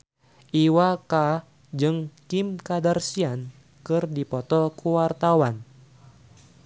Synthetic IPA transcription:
ʔiwaka | d͡ʒɨŋkimkadarsian | kɨrdipɔt̪ɔlkuwart̪awan

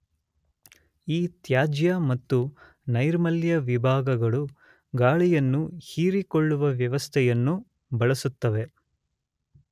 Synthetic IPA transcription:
iːt̪jaːd͡ʒjɐmɐt̪ːu | nɐjɾmɐljɐʋibʱaːɡɐɡɐɭu | ɡaːɭɛjɐnːuhiːɾikoɭːuʋɐʋjɐʋɐst̪ʰɛjɐnːu | bɐɭɐsut̪ːɐʋe̞

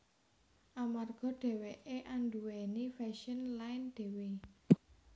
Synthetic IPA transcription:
ʔamarɡ̥ɔ̤ɖ̪̥ɛ̤weʔeʔanɖuwenifɛʃənlaɪnd̪̥e̤we

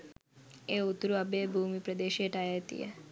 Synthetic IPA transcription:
eut̪ɾuabebʱumipɾəd̪eʃeʈajet̪ḭḛ

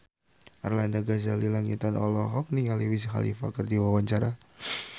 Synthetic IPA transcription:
ʔarlandaɡazalilaŋit̪anɔ̰lɔɦɔk̚niŋaliwisxa̰lḭfa̰kərdiwawaɲt͡ʃaɾa

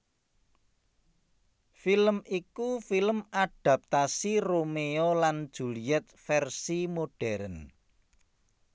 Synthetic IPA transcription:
filəmikufiləmaɖ̥a̤p̚t̪asiromeoland̥ʒ̥ṳliɛt̪̚fɛrsimoɖ̥ɛɾən

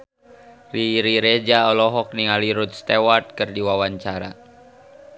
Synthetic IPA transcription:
riɾiɾed͡ʒaɔlɔɦɔk̚niŋaliɾut̪̚st̪ewart̪̚kɨrdiwawaɲt͡ʃaɾa̰

